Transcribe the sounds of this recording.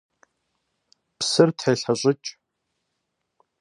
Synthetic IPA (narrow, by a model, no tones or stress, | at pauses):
psɨrtʰħejɬɐɕʷʼɪt͡ʃʼ